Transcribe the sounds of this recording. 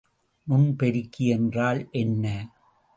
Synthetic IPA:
nʊnpɛɾɪkːɪɛndraːlʔɛnːɐ

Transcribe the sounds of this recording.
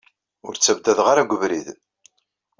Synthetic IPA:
ʊɾt͡sːæbd̪æðʁaɾaɡʷəvɾið

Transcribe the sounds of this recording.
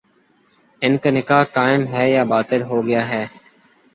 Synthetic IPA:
ɪnkaːnɪkaːɦkaːɪmɦɛːjaːbaːt̪ɪɾɦoːɡɪjaːɦɛː

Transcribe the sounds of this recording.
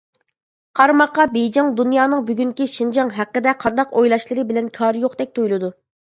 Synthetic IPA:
qʰɑɾmɑqːɑbejd͡ʒɑŋd̪unjɑːnɨŋbyɡʲyŋkʲiʃind͡ʒɑŋɦæqːəd̪ɛqʰɑnd̪ɑqojlˠɑʃlˠɨɾɨbɪlɛnkʲʰɑːɾjoqd̪ɛk̚ʲt̪ʰujlˠɨd̪u

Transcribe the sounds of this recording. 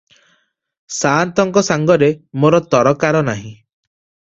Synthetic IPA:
sant̪ɔŋkɔsaŋɡɔɾemoɾɔt̪ɔɾɔkaɾɔnaɦĩ

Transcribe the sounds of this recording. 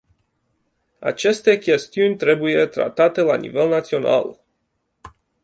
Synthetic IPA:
a̰t͡ʃe̞st̪e̞kʲe̞st̪iunʲt̪ɾe̞bujet̪ɾa̰t̪at̪e̞lanḭve̞lnat̪sio̞na̰l

